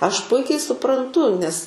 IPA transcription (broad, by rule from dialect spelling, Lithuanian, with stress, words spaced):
ˈɐʃ ˈpʊɪkʲɛɪ sʊprɐnˈtʊ nʲɛs